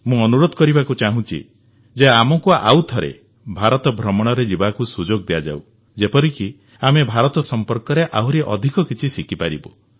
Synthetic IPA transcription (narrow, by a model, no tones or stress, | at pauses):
mũɔnuɾod̪ʱɔkɔɾibakut͡ʃaɦũt͡ʃʰḭ | d͡ʒeamɔkua̰wt̪ʰɔɾḛ | bʱaɾɔt̪ɔbʱɾɔmɔɽ̃ɔɾed͡ʒibakusud͡ʒoɡ̚d̪ejad͡ʒa̰w | d͡ʒepɔɾiki | amebʱaɾɔt̪ɔsɔmpɔɾkɔɾeʔawɾeʔɔd̪ʱikɔkit͡ʃʰisikipaɾibu